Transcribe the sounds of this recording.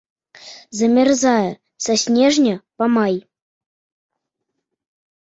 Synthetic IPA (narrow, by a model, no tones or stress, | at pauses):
zɐmʲɛrzajɛ | sasʲnʲɛʐnʲɐpamaj